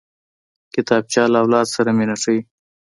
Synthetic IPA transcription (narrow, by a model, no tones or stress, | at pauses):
kɪt̪ɑːb̚t͡ʃɑlaːwlɑd̪saɾamenaʂəi